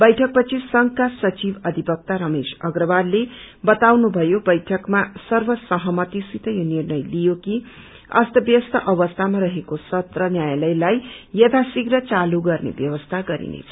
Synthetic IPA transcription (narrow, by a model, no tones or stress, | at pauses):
bʌjʈʰʌk̚pʌt͡sʰisʌŋkasʌt͡sibʌd̪ʱibʌk̚t̪aɾʌmesʌɡrʌbad̪le | bʌt̪awnubʱʌjobʌjʈʰʌkmasʌrbʌsʌɦʌmʌt̪isit̪ʌjonirnʌjlijoki | ʌ̰st̪ʌbjʌst̪ʰʌʔʌbʌst̪ʰamaɾʌɦekosʌt̪rʌnjajlʌjlajjʌt̪ʰasiɡɾʌt͡saluɡʌrnḛbjʌwʌst̪ʰaɡʌɾḭnḛt͡sʰʌ